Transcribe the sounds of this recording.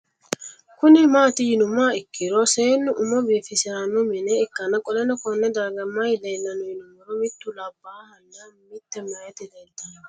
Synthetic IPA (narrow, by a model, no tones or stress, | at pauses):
kʊnɪmaːt̪ɪjɪnʊmaːɪkːɪɾoseːnːʊʔʊmɔbiːfɪsɪɾanːʊmɪnɛɪkːɐnɐkʼɔlɛnɔkɔnːɛd̪aːɡɐmɐjd̪ɐnːɐnʊjɪnʊmɔɾɔmɪt̪ːʊlabːahɐnːamɪt̪ːɛmajɐt̪ɪd̪ɛd̪ɐn